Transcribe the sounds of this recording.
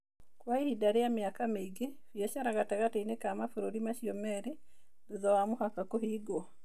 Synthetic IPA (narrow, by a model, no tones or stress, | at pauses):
kwaihidaɾijamjakamiɡeβieʃaɾaɡataɡateinekaːmafuɾuɾimaʃiomeɾe | ðizawamuhakakuhiːɡo